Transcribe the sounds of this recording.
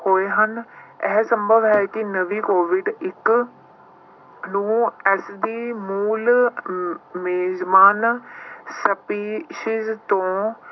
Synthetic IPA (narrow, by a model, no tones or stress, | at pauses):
hoːeːɦənɛɦsəmbəbɦɛːkɪnəʋiːkoːʋɪɖɪk | nũːɛsd̪iːmuːl | meːzmaːn | səpiːʃɪzt̪õː